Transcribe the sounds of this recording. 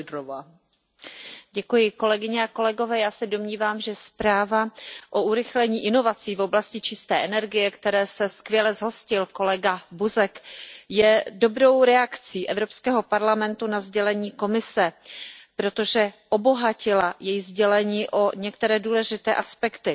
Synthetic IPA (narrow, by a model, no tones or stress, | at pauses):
dɾova | ɟɛkujɪko̞lɛɡɪɲɛako̞lɛɡo̞vɛːjaːsɛdo̞mɲiːvaːmʒɛspɾaːvaʔo̞ʔuɾɪxlɛɲiːʔɪno̞vat͡siːvo̞blascɪt͡ʃɪst̪ɛːʔɛnɛɾɡɪjɛkt̪ɛɾɛːsɛskvjɛlɛzɦo̞scɪlko̞lɛɡabuzɛkjɛdo̞bɾo̞wɾɛakt͡siːʔɛvɾo̞pskɛːɦo̞paɾlamɛnt̪unazɟɛlɛɲiːko̞mɪsɛpɾo̞t̪o̞ʒɛʔo̞bo̞ɦacɪlajɛjzɟɛlɛɲiːʔo̞ɲɛk̚t̪ɛɾɛːduːlɛʒɪt̪ɛːʔaspɛkt̪ɪ